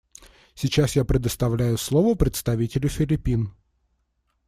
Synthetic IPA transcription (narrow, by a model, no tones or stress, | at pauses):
sʲɪt͡ɕasjapɾʲɪd̪əst̪ɐvlʲæjʊslˠovəpɾʲɪt̪st̪ɐvʲitʲɪlʲʊfʲɪlʲɪpʲin